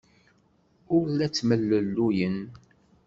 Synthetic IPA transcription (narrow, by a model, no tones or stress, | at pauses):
ʊɾlæt͡sːməlːəlːujən